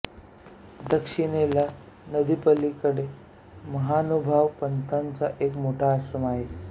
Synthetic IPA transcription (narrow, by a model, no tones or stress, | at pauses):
d̪əkʂiɽela | nəd̪ipəlːikəɽe | məɦanubʱaʋpənt̪ant͡saʔekmoʈʰaːɕɾəmaɦe